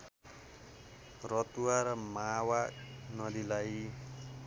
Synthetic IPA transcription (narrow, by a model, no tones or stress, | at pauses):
ɾɔt̪uaɾmawanʌd̪ilaj